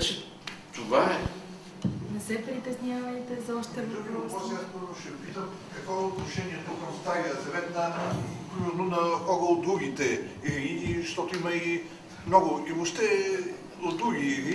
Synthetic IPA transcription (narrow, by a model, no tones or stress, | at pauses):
t̪ovaɛ | nɐsɛpɾit̪ɛzɲʲavɐnit̪ɛzɔʃt̪ɛɔɔzaskɔɔʃɛpit̪əm | kɐkvɔɛʊt̪nʊʃɛniɛt̪okɐmst̪ajɐzɐvɛt̪nɐkɾuɔznʊnɐkɔɡoʊd̪ɾuɡʲit̪ɛiːʃt̪ɔt̪ʊimɐi | mnɔɡʊimoʃt̪ɛ | ʊd̪ɾuɡii